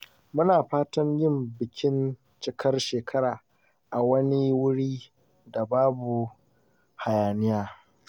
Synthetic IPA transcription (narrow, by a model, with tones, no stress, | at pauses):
mʊ˦naː˨ɸaː˦tɐ˦ɲjɪ˦mbɪ˨kʲʰɪ˦n | t͡ʃɪ˦kʰɐ˦rʃeː˨kʰɐ˦ɾaː˨ | ʔa˨wɐ˦ni˦wʊ˦ɽiː˦ | da˨baː˦bu˨ | ha˨jaː˨nɪ˦jaː˦